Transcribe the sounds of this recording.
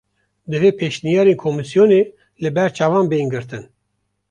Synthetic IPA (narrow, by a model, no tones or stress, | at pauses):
d̪ɨveːpʰeʃnijɑːɾeːnkʰomɨsijoneː | lɨbɛɾt͡ʃʰɑːvɑːnbejnɡɨɾt̪ɨn